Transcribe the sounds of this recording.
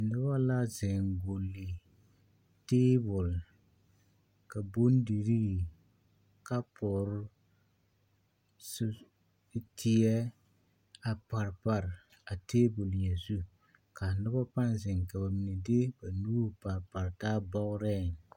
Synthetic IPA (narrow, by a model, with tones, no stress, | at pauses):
dʊ˦ba˦la˦zɪ˨ŋɡo˨lːi˨ | teː˦bʊ˨l | ka˨bo˦n˦di˨ɾi˦˨ | ka˦pʊ˨ɾʊ˦ | sʊ˦ | tʰɪ˦ɛ˦ | a˨pa˨ɾpa˨ɾ | a˨teː˦bʊ˨lja˨zu˦ | ka˨nɪ˦ba˦pa˦nzɪ˨ŋka˨ba˨mi˨ne˨de˦ba˨nuː˦˨pa˨ɾpa˨ɾtaː˦bɔ˦ɣʊ˦ɾɛ˦˨ŋ